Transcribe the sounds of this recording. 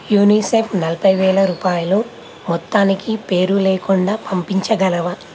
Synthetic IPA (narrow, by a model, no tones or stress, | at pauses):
juːniːseːpʰnɐlɐpʰɐjʋɛːɭɐɾuːpaːjulo | mɔt̪ːaːnikipe̞ːɾuleːkuɳɖaːpɐmpiɲt͡ʃɐɡɐlɐʋɐ